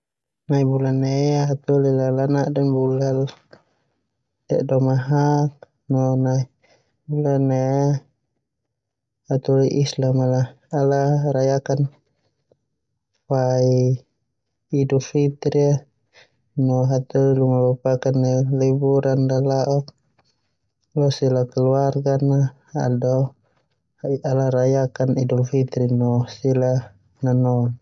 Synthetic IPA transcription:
naibulanːeaɦat̪ɔlilalanaʔdanbulal | t̪ɛʔdɔmaɦak̚ | nɔnai | bulanːea | hat̪ɔliʔislamalaː | laɾajakan | pai | idurfit̪ɾia | nɔɦat̪ulilumabapakanalɛbuɾʔanlalaʔɔk̚ | lɔsilakɛluarɡana̰ː | dɔ | ialaɾajakanidulfit̪ɾinɔsila | nanɔn

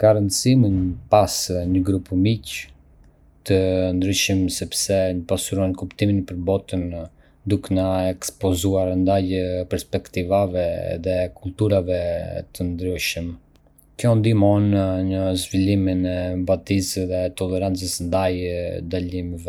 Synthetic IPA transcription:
kaɾənd̪siminpasɲəɡɾupmic | t̪ənd̪ɾyʃəmsɛpsɛɲəpasuɾɔnkupt̪iminpəɾbɔt̪ən | d̪uknaɛkspɔzuaɾnd̪ajpɛɾspɛkt̪ivavɛðɛkult̪uɾavɛt̪ənd̪ɾyʃəm | kjɔnd̪imɔnɲəzviliminɛbat̪isðɛt̪ɔlɛɾant͡səsnd̪ajd̪alimvɛ

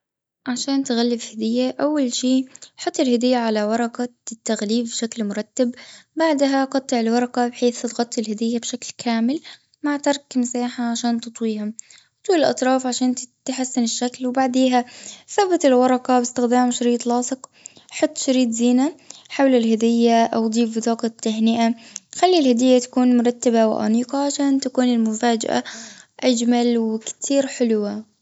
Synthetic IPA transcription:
ʕaʃaːnt̪ɪɣalːɪfhɪd̪ɪjːaʔawːalʃiːħʊt̪ˤːɪlhad̪ɪjːaʕalawɑɾˤɑqɑt̪ːaɣliːbbʃaklmʊɾˤɑt̪ːabbaʕd̪ɦaqɑt̪ˤːɪʕɪlwɑɾˤɑqɑbɪħeːθt̪ɣɑt̪ˤːɪlhad̪ɪjːabʃaklkʰaːmɪl | maʕt̪ɑɾˤkmɪsaːħaʕaʃaːnt̪ɨt̪ˤwiːham | t̪uːlɪlʔɑ̰t̪ˤɾˤɑːfʕaʃaːnt̪ħasːɪnɪʃːaklwbaʕd̪eːɦaθabɪt̪ɪlwɑɾˤɑqɑbɪst̪ɪxd̪aːmʃaɾiːt̪lɑːsˤɨqħɑt̪ˤːʃaɾiːt̪ziːnaħawlɪlɦad̪ɪjːaʔawd̪ˤiːfbt̪ɑːqɑt̪ːaɦnɪʔaxalːilhad̪ɪjːat̪ḁkuːnmʊɾˤɑt̪ːabaw̰ʔa̰niːqɑʕaʃaːnt̪akuːnɪlmʊfaːd͡ʒa̰ʔa̰ʔad͡ʒmalwɪkt̪ʰiːɾħɪlwa

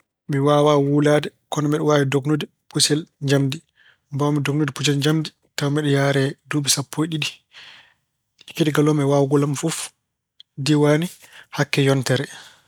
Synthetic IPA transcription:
miwaːwawulaːdɛkɔnɔmɛɗɛwaɾɛdɔknodi | pusɛlɲd͡ʒamdi | mbawmidɔknodiput͡ʃ̬ɛlɲd͡ʒamdi | tawmɛɗɛjaɾɛdumisapʰːojɗiɗi | ɛkediɡalɔmɛwawɡɔlamfuf | diwanihakːɛjɔntɛɾɛ

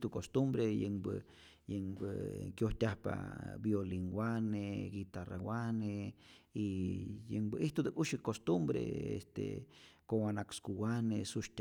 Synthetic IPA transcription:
t̪ukost̪umbɾejembɨ̰ | jeŋbɨ̰kjoht̪ʲahpa̰bjoliŋɡwaneɡit̪arawane | ijeŋbɨʔiht̪ud̪ekʼuʃikost̪umbɾḛḛst̪ḛkoŋwanakskuwanesuʃtʲ

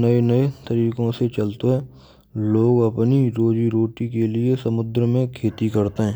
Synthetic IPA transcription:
nɐenɐet̪ɐɾiːkõset͡ʃɐlt̪oɦɛː | loːɡɐpniɾoːd͡ʒiɾoːʈikeliesɐmʊd̪ɾəmẽkʰeːt̪ikɐɾt̪eɦɛ̃ː

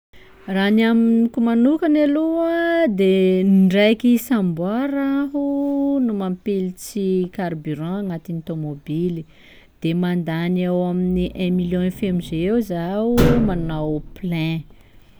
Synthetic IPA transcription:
ranaminikumanukanaluad̪enɳɖ͡ʐajkisãmbwaɾaɦunumampilit͡sikarbyɾɑ̃aŋat̪int̪omobili | d̪̥emand̪anewaminiʔɛ̃miljɔ̃ẽfemizewzaumanawplɛ̃

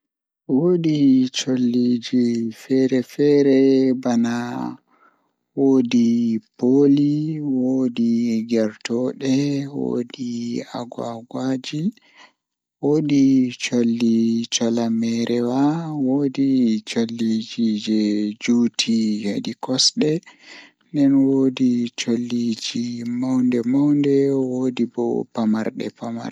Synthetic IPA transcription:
woɗit͡ʃolːid͡ʒifɛɾɛfɛɾɛbana | woːdipoliwodiɡɛɾtɔɗɛwo̰dia̰ɡwaɡwad͡ʒi | woːdit͡ʃolːit͡ʃɔlamɛɾʔɛwawoːdit͡ʃolːid͡ʒid͡ʒɛd͡ʒuːtʰijadikɔsɗɛ | ndɛnwoːdit͡ʃolːid͡ʒimawndɛmawndɛwoːdibɔ̰pamaɾɗɛ̰pama̰ɾ

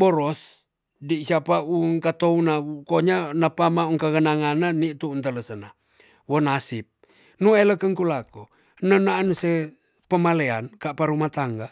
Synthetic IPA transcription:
boɾɔs | disiapauŋkat̪ounaukoɲanapamauŋkaɡənaŋanːanit̪uːnt̪ələsəna | wonasip̚ | nueləkəŋkulako | nənanuse | pəmaleankapaɾumat̪aŋɡa

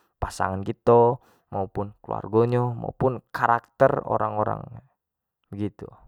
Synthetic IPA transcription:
pasaŋankit̪ɔ | maupʊnklua̰rɡɔɲɔma̰upʊnkaɾak̚t̪əro̰ɾaŋoɾa̰ŋ | bəɡit̪u

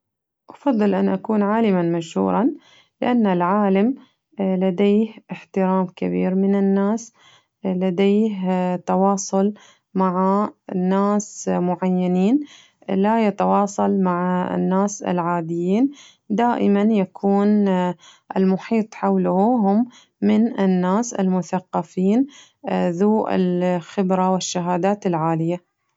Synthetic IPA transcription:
ʔɑfɑd̪ˤːɨlʔanʔakuːnʕaːlɪmanmaʃhṵːɾˤɑn | lɪʔanːalʕaːlam | lad̪eːhʔɪħt̪ɪɾaːmkabḭːɾmɪnɪnːaːs | lad̪eːht̪ɑwɑːsˤʊl | maʕanːaːsmʊʕajːaniːn | lajat̪ɑwɑːsˤɑlmaʕa̰nːaːsɪ̰lʕaːd̪ɪjiːn | d̪aːʔɪmanjakʰuːn | ʔɪlmʊħiːt̪ˤħawlhʊɦʊmː | ɪnɪnːaːsɪ̰lmʊθaqːɑfiːn | ðuːʔɪ̰lxɪbɾawɪʃːaɦaːd̪aːt̪ɪlʕaːlɪja

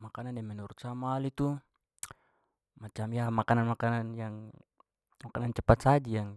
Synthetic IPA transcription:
makanandɛmɛnuɾut̪̚samalit̪u | mat͡ʃamjamakananmakananjaŋ | makanant͡ʃɛpat̪̚sad͡ʒijaŋ

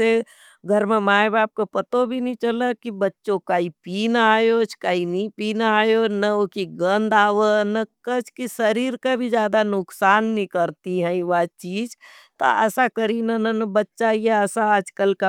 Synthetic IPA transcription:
e | ɡʱəɾmemaːjbaːb̚kepət̪obʱinĩt͡ʃələkibətːʃõkaːipiːnaːjot͡ʃʰkaːinĩpiːnaːjonəokiɡə̃nd̪aːʋənəkət͡ʃʰkisəɾiːɾkabʱid͡ʒjaːd̪anʊksaːnːĩkəɾt̪iɦɛ̃ĩʋat͡ʃiːd͡ʒ | t̪o̰əsakəɾinənənəbətːʃajeəsaəd͡ʒkəlka

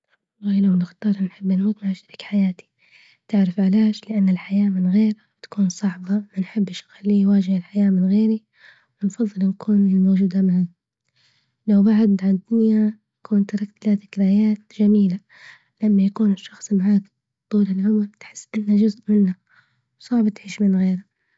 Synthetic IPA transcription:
lˤːɑːjlawlɪxt̪ˤɑːɾˤnħɪbːanmuːt̪maʕaʃaɾikħajaːt̪i̥ | t̪ɪʕɾɪfʕaleːʃlɪʔanːɪlħajaːmɪnɣeːɾat̪ḁkuːnsˤɑʕbɑmanħɪbːɪʃxalːiːwaːd͡ʒɪhɪlħajaːmɪnɣeːɾi | wɪnfɑðˤːɨlnakʰuːnɪlmoːd͡ʒuːd̪amɪʕa | lawbaʕad̪ʕad̪ːʊnjajakʰuːnt̪ɑɾˤɑk̚t̪laːðɪkɾajaːt̪d͡ʒamiːla | lamːajakuːnɪʃːɑxsˤmaʕaːk | t̪ˤːuːlalʕʊmalt̪ħɪ̥sːʔɪnːad͡ʒʊzʔmɪnːa | wsˤɑʕbɑt̪ʕiːʃmɪnɣeːɾa

